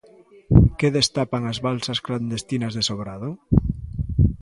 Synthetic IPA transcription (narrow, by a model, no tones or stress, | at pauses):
keðest̪apaŋazβalsaskland̪est̪inazðesoβɾaðo